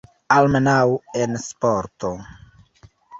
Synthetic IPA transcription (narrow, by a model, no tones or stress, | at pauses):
almenawenspoɾto